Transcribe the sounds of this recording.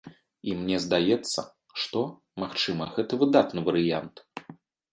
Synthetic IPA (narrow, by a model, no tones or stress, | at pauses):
imnʲɛzd̪ajɛt̪sːɐ̰ | ʂt̪ɔ | maxt͡ʂɨmɐɣɛt̪ɐvɨd̪at̪nɨvɐɾɨjant̪